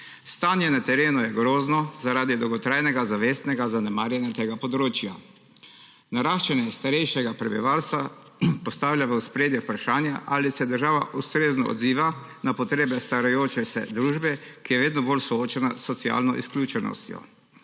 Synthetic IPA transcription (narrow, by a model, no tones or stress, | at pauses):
st̪aːnjɛnat̪ɛɾeːnujɛɡɾoːznɔzaɾaːd̪id̪ɔwɡɔt̪ɾajnɛɡazaʋeːst̪nɛɡazanɛmaːɾjɛnjat̪eːɡapɔd̪ɾoːt͡ʃja̰ | naɾaːʃt͡ʃanjɛst̪aɾɛjʃɛɡapɾɛbḭʋaːlst̪ʋa | pɔst̪aːwlʲjaʋəuspɾeːd̪jɛpɾaʃaːnjaʔaːlisɛd̪əɾʒaːʋa̰ʔust̪ɾeːznɔ̰ɔ̰d̪ziːʋa | napɔt̪ɾeːbɛst̪aɾajoːt͡ʃɛsɛ̰d̪ɾuːʒbɛkijɛʋeːd̪nɔbolsɔoːt͡ʃɛnasːɔt̪sia̰ːlnɔʔḭsklʲuːt͡ʃɛnɔ̰st̪jɔ̰